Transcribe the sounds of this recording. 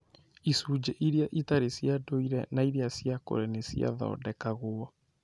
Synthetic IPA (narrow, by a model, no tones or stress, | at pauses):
isuːd͡ʑeʔiɾjaʔitaɾesjadoiɾɛnaiɾiasiako̰ɾɛnesia̰ða̰ɔ̰dɛkaɣoɔ